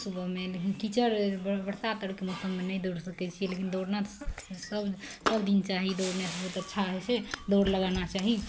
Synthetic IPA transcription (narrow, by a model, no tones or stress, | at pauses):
subʱəmelekinkit͡ʃəɾbəɽsat̪əɽkemosəmmenəjd̪oɽsəkɛt͡ʃʰielekind̪oɽnasəbsəbd̪int͡ʃaɦid̪oɽnesəbʱət̪ətːʃʰaɦɛt͡ʃʰed̪oɾləɡanat͡ʃaɦi